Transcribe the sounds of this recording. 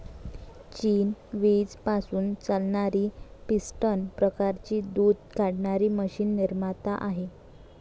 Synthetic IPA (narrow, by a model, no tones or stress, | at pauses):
t͡ɕiːnʋid͡zpasuːnt͡salɳaɾiːpisʈənpɾəkaɾt͡ɕiːd̪uːd̪̚ʱkaɽɳaɾiːməɕiːnːiɾmat̪aʔaɦe